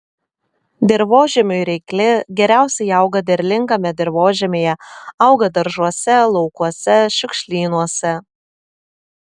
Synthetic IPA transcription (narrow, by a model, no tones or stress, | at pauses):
d̪ʲɪɾʋoːʒʲɛmʲʊɪɾʲɛɪklʲɪɡʲɛɾʲæˑʊsʲɛɪɐˑʊɡɐd̪ʲɛɾʲlʲɪŋkɐmʲɛd̪ʲɪɾʋoːʒʲɛmʲeːjɛɐʊɡɐd̪ɐɾʒuɔsʲɛlˠɔʊkuɔsʲɛʃʲʊkʃʲlʲiːnuɔsʲɛ